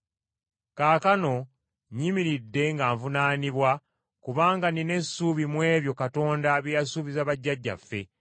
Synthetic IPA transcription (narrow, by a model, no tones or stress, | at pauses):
kaːkano̞ | ɲimiɾidːe̞ŋɡaːɱvunaːniβwa | kuβaːŋɡanine̞sːuβimwe̞ːβjo̞kato̞ːndaβijasuːβizaβaɟːaɟːa̰fːe̞̰